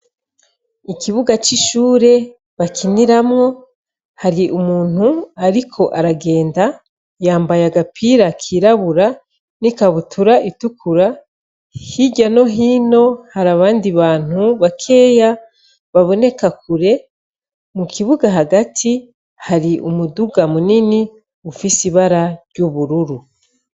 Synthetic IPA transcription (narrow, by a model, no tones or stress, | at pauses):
ikiβuɡat͡ʃiʃuːɾe̞ | βakiniɾamŋo̞ | haɾiʔumuːn̥huaɾikʰo̞ʔaɾaɡe̞ːnda | jaːmbajaɡapʰiɾakʰiɾaβuɾa | nikaβutuɾaʔitukʰuɾa | hiɟano̞ɦiːno̞haɾaβaːndiβaːn̥huβakʰe̞ːja | βaβo̞ne̞kakuɾe̞ | mukʰiβuɡaɦaɡatʰi | haɾiʔumuduɡamunini | ufisiβaɾaɾɟuβuɾuɾu